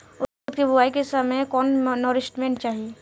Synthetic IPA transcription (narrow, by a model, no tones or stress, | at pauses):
ʊ | t̪ibʱʊʋaːikesɐməjkɔːnːɔːɾɪsʈmẽːɳʈ̚t͡ʃaːɦieː